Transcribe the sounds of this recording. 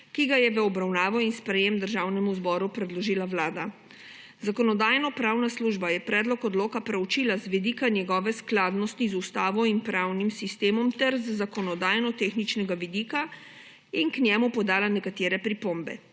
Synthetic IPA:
kiɡajɛʋəɔbɾawnaːʋɔinspɾɛjemd̪əɾʒawnɛmuzbɔːɾupɾɛd̪lɔʒiːlaʋlaːd̪a | zakɔnɔd̪aːjnɔpɾawnasluʒbajɛpɾɛːd̪lɔkɔd̪loːkapɾɛwt͡ʃiːlazʋid̪iːkanjɛɡɔːʋɛsklaːd̪nɔst̪izust̪aːʋɔinpɾawnimsist̪eːmɔmt̪ɛɾzzakɔnɔd̪aːjnɔt̪exnit͡ʃnɛɡaʋid̪iːka | inknʲjɛmupɔd̪aːlanɛkat̪eːɾɛpɾipombɛ̰

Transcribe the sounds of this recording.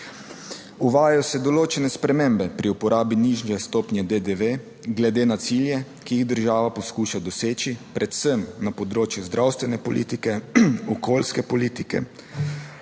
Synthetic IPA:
uʋaːjɔsɛd̪ɔloːt͡ʃɛnɛspɾɛmembɛpɾiupɔɾaːbiniʒnɛst̪oːpnjɛd̪ed̪eʋe | ɡlɛd̪eːnat̪siljɛ | kijiɣd̪əɾʒaːʋapɔskuːʃad̪ɔseːt͡ʃipɾʔɛt̪səmnapɔd̪ɾoːt͡ʃjuzd̪ɾʔawst̪ʋɛnɛpɔlḭt̪ikɛɔkoːlskɛpɔliːt̪ikɛ̰

